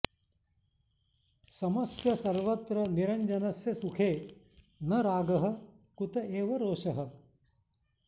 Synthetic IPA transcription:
sɐmɐsjɐsɐɾʋɐt̪ɾɐniɾɐɲd͡ʒɐnɐsjɐsukʰeː | nɐɾaːɡɐɦɐ̆ | kut̪ɐʔeːʋɐɾoːʃɐɦɐ̆

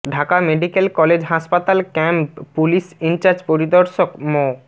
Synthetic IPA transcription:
ɖʱakameɖikelkɔled͡ʑɦaʃpat̪alkɛmppːulisint͡ɕaɾd͡ʑpoɾid̪oɾʃokmo

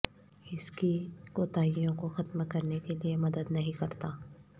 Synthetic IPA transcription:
ɪskikoːt̪aːijõkoxɐt̪mkɐɾnekeliemɐd̪əd̪nɐɦĩkɐɾt̪aː

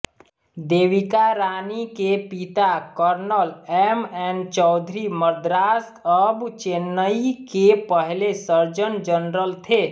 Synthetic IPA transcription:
d̪eːʋɪkaɾaːnikepit̪akəɾnəlɛmɛ̃ːnt͡ʃɔʊd̪ʱɾiməɾd̪ɾaːskəbt͡ʃeːnːəikepəɦlesəɾd͡ʒənd͡ʒənɾəlt̪ʰeː

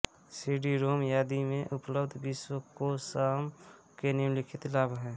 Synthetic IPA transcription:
siɖiɾoːmjaːd̪imẽʔʊpləbd̪ʱbɪswəkosaːm | kenimlɪkʰɪt̪laːbɦɛː

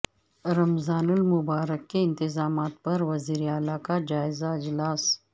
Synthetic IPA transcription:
ɾɐmzaːnʊlmʊbaːɾəkːeɪnt̪ɪzɑːmaːt̪̚pɐɾwɐziːɾiaːlakad͡ʒaːɪzaɪd͡ʒlaːs

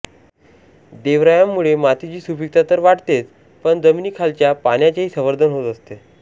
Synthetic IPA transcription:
d̪eʋɾajamːuɭemat̪it͡ɕiːsubik̚t̪at̪əɾʋaʈt̪et͡s | pəɳd͡zəminikʰalt͡ɕjapanjat͡ɕaɦiːsə̃ʋəɾd̪ʱənɦot̪əst̪e

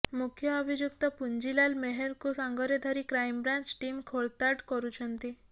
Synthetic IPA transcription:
mukʰjɔːbʱid͡ʒjuk̚t̪ɔpuɲd͡ʒilalmɛɦɛɾkusaŋɡɔɾjɔd̪ʱaɾikɾajmbɾant͡ʃʈimkʰoɭt̪aʈkɔɾut͡ʃʰɔnt̪i

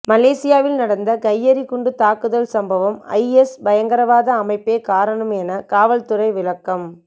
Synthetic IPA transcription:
mɐleːsɪjaːʋɪlnɐɽɐnd̪ɐkɐjːɐɾikʊɳɖɯt̪aːkːɯðɐlsɐmbɐʋɐmɐ̰ɪɛsbɐjɐŋɡɐɾɐʋaːðɐːmɐɪpːeːkaːɾɐɳɐmɛnɐkaːʋɐlt̪ɯrɐɪʋɪlɐkːɐm

